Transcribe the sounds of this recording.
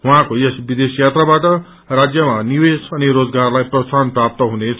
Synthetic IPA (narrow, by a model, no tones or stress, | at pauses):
ɦuãkojʌsbid̪esjat̪rabaʈʌ | rad͡zjʌmaniwesʌniɾod͡zɡarlajprʌsanprap̚t̪ʌɦunet͡sʰ